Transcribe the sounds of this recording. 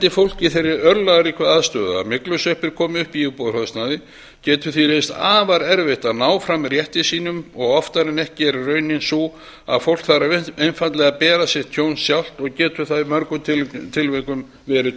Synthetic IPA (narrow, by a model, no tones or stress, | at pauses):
ɛnt̪ɪfowl̥cɪθejɾːɪɾœɾlaɣaɾikʰvaðaðst̪œːðʏa̰mɪklʏsœhpɪɾ̥kʰɔːmʏhpiɪpowðɾhœðst̪naðɪ | cɛːt̪ʏθiɾejnst̪aːvaɾɛɾvɛht̪anaːwfɾamːɛɾjɛht̪ɪsiːnʏmɔɣɔft̪aɾɛnɛhcɪɛɾrœːɥnɪnsu | a̰ðfowl̥kθaɾaejnfant̪lɛɣapɛːɾasjɛht̪ʰjoːwnsjawl̥t̪ɔɣcɛːt̪ʏθaðɪmœɾkʏt̪ʰɪt̪ʰɪlvɛkʏm | vɛːɾʏ